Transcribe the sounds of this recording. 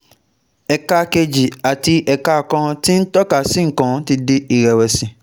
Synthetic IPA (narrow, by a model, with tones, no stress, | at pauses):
ɛ˨ka˧ke˧d͡ʒi˨a˨ti˧ʔɛ˧ka˧˨kã˧ti˦n̩˦tɔ˦ka˦˨sĩ˦ŋ̩˨kã˧˦ti˧de˦i˦˨ɾɛ˨wɛ˨sĩ˨